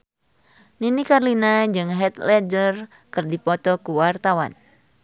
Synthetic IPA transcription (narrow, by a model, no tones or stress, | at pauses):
ninikarlinad͡ʒɨŋɦɛt̪lɛd͡ʒər | kɨrdipɔt̪ɔkuwart̪awa̰n